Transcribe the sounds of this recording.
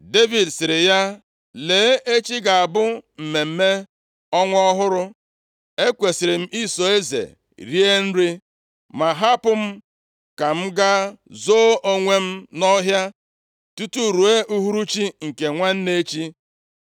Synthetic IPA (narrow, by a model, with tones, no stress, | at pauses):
de˦vi˨dsɪ˨ɾɪ˨ja˦ | leː˨˦e˦t͡ʃi˦ɡa˨a˨bʊ˦m̩˨me˨m̩˦me˦ | ɔ˦ŋʷ˦ɔ˦ɦʊ˦ɾʊ˦ | e˦kʷe˨sɪ˨ɾɪ˨m̩˦i˦so˨e˦zḛ˨ | ɾi˦e˦n̩˦ɾi˦ | ma˨ɦa˦pʊ˦m̩˦ | ka˨m̩˦ɡa˦zo˦ʔo˦ŋʷe˦m̩˦nɔ˦ɦja˦ | tu˦tu˦ɾu˨e˦ʔu˦ɦu˦ɾu˦t͡ʃi˦ŋ̩˨ke˨ŋʷa˦n̩˦ne˦t͡ʃi˦